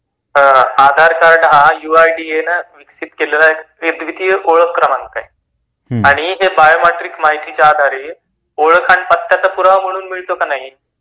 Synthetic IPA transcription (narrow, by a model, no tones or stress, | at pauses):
ad̪ʱaɾkaɾɖɦãjuajɖienaʋiksit̪kella | ed̪ʋit̪ijəʔoɭəkːɾəmankaɦi | aɽ̃iɦebajomeʈɾikmaɦit̪it͡ɕjaːd̪ʱaɾiː | oɭkʰaɳpət̪ːjat͡sapuɾʋam̤əɽ̃uːnmiɭt̪okanaɦi